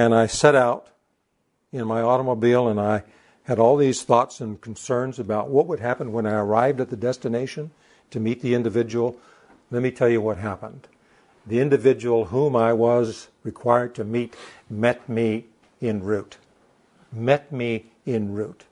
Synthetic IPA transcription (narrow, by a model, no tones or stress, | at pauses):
ɨ̃naɪsɛɾaʊɾ | ɪ̃nmaɪɔɾəmoʊbilˠə̃naɪ | ɨɾɔlˠðiz̥θɔtsɨ̃nkʰn̩sɜ̃˞nzəbaʊt̚wʌt̚wəd̚ɦæpə̃nwə̃ñaɪə˞aɪvdɨt̪̚ðɨdɛstɨneɪʃɨ̃n | tʰɨmit̪̚ðiɪ̃ndɨvɪd͡ʒɨwl̩ˠ | lɛt̚mitʰɛlˠjɨwʌt̚ɦæpə̰̃nd | ðiɪ̃ndɨvɪd͡ʒɨwl̩ˠɦũmaɪwʌzɹɨkʰw̥aɪə˞d̚tʰɨmit̚mɛt̚mi | ɪ̃nɹʉt | mɛt̚mi | ɪ̃nɹʉt